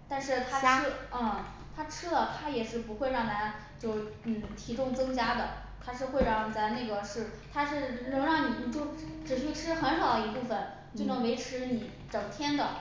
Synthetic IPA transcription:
t̪a˥˧nʂɻ̩˥˧t̪ʰa˥˩ | t̪ʰa˥ʈ͡ʂʰɻ̩˥lə˨t̪ʰa˥jɛ˨˩ʂɻ̩˥˩pu˧˥xwe˥˧ɪɻɑ˥˩ŋt̪ʰa˥ | t͡ɕjo˥˧˩ʊn̩˥˩t̪ʰi˧˥ʈ͡ʂʊ˥˩ŋt͡sɤ˥ŋt͡ɕja˥d̪ə˨ | t̪ʰa˥ʂɻ̩˥˧xwe˥˧ɪɻɑ˥˩ŋ˨t͡sa˧˥ne˥˩ɡə˩ʂɻ̩˥˩t̪ʰa˥ʂɻ̩˥˩nə˧˥ŋɻɑ˥˩ŋni˨˩n˨˩t͡ɕjo˥˩ʊʈ͡ʂɻ̩˨˩ɕy˥˩ʈ͡ʂʰɻ̩˥xə˧˥nʂɑ˨˩ʊd̪ə˦i˧˥pu˥˩fə˩n | t͡ɕo˥˩nɤ˧˥ŋwe˧˥ɪʈ͡ʂʰɻ̩˧˥ni˨˩˦ | ʈ͡ʂɤ˨˩ŋt̪ʰjɛ˥nd̪ə˨

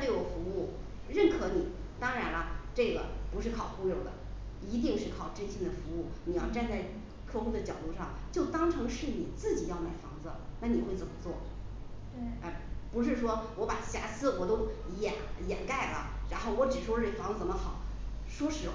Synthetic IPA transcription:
li˥˩wfu˧˥u˥˩ | ɻə˥˩nkʰɤ˧˥ni˨˩˦ | t̪ɑ˥ŋɻa˧˥nɐ˧ʈ͡ʂɤ˥˩ɡə̰˩pu˧˥ʂɻ̩˥˩kʰɑ˨˩ʊxu˥jo˨˧˩ʊd̪ə̰˦ | i˧˥t̪̬i˥˧ŋʂɻ̩˥˩kʰɑ˨˩ʊʈ͡ʂə˥nɕʰi˥d̪ə˨fu˧˥u˥˩ni˨˩jɑ˥˧ʊʈ͡ʂa˥˧nt͡sa˥˩ɪ | kʰɤ˥˧xu˥˧d̪ə˨t͡ɕjɑ˨˩ʊt̪u˥˧ʂɑ˥˩ŋt͡ɕjo˥˩ʊt̪ɑ˥ŋʈ͡ʂʰɤ˧˥ŋʂɻ̩˥˩ni˨˩t͡sɹ̩˥˩t͡ɕi˨˩jɑ˥˧ʊma˨˩ɪfɑ˧˥ŋd͡zə˧na˥˩ni˨˩xwe˥˩ɪt͡sə˨˩mə˦t͡swɔ˥˩ | a˥˩ɪpu˧˥ʂ̬ɻ̩˥˩ʂwɔ˥wɔ˧˥pa˨˩ɕja˧˥˩sɹ̩˥wɔ˨˩t̪o˥ʊ | jɛ̰˨˩˦njɛ˨˩nka˥˩ɪlə̰˩ɻa˧˥nxo˥˩ʊwɔ˧˥ʈ͡ʂɻ̩˨˩ʂwɔ˥ʈ͡ʂfɑ˧˥ŋd͡zt͡sə˨˩mə˦xɑ˨˩˦ʊ | ʂwɔ˥ʂɻ̩˧˥

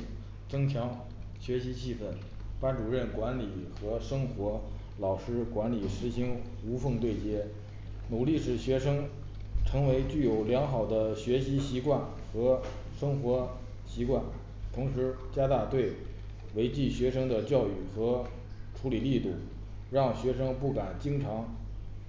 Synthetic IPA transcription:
t͡sɤ˥ŋt͡ɕʰjɑ˧˥ŋ | ɕɥɛ˧˥ɕi˧˥t͡ɕʰi˥˧fə˥˩n | pa˥nʈ͡ʂu˨˩ɻə˥˩nkwa˧˥nli˨˩xɤ˧˥ʂɤ˥ŋxwɔ˧˥ | lɑ˨˩ʊʂɻ̩˥kwa˧˥nli˨˩ʂɻ̩˧˥ɕi˧˥ŋ | u˧˥fɤ˥˧ŋt̪̬we˥˩ɪt͡ɕjɛ˥ | nu˨˩li˥˩ʂɻ̩˧˥˩ɕɥɛ˧˥ʂɤ˥ŋ | ʈ͡ʂʰɤ˧˥ŋwe˧˥ɪt͡ɕy˥˩jo˨˧˩ʊljɑ˧˥ŋxɑ˨˩ʊd̪ə˦ɕɥɛ˧˥ɕi˧˥ɕi˧˥kwa˥˩n | xɤ˧˥ | ʂɤ˥ŋxwɔ˧˥ | ɕi˧˥kwa˥˩n | t̪ʰʊ˧˥ŋʂɻ̩˧˥ | t͡ɕja˥t̪a˥˧t̪we˥˩ɪ | we˧˥ɪt͡ɕi˥˩ɕɥɛ˧˥ʂɤ˥ŋd̪ə˨t͡ɕjɑ˥˧ʊy˥˩xɤ˧˥ | ʈ͡ʂʰu˧˥li˨˩li˥˧t̪u˥˩ | ɻɑ˥˩ŋɕɥɛ˧˥ʂɤ˥ŋpu˥˩ka˨˩nt͡ɕi˥ŋʈ͡ʂʰɑ˧˥ŋ

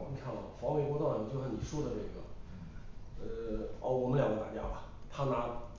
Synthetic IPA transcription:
kʰɑ˥˩ə˨˩˨fɑ˧˥ŋme˨˩ɪkwɔ˥t̪ɑ˥˩˨ni˨˩t͡ɕjʰa˥˩ni˨˩ʂwɔ˥˧˩də˨˩ne˥˩ɡə̰˩ | ə˧ɔ̰˥˩ʊwɔ˨˩mə˥ljɑ˨˩ŋɡə˦t̪a˨˩t͡ɕja˥bɐ˨˩ | t̪ʰa˥na˧˥

